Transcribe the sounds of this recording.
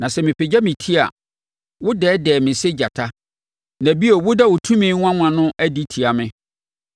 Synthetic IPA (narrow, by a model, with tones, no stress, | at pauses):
nã˨sɛ˨mɪ̃˨pʰe˨d͡ʑa˦mɪ̃˨tʰi˦a̰˨ | wʊ˦dɛː˨˦dɛː˨mɪ̃˨se˦d͡ʑa˨tʰa˦ | næ̃˨bi˦o˨wʊ˦dɛ˦wʊ˨tʰũ˦mĩː˦ŋʷ˦ã˦mã˨nʊ̃˦ʔæ˦di˦tʰi˨a˨mɪ̃˦